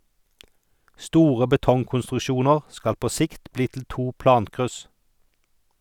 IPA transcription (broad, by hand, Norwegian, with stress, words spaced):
ˈstuːʁə bəˈtɔŋkʊnstʁʉˌʃuːnəʁ ˈskɑl ˈpoː ˈsɪkt ˈbliː tl̩ ˈtuː ˈplɑːŋkʁʉs